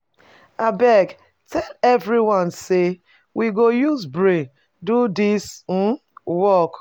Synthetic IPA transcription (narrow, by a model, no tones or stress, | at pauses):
abɛɡ | tɛlɛvɾiwãnse | wʔiɡojuzbɾe | dudis̩ | wɔk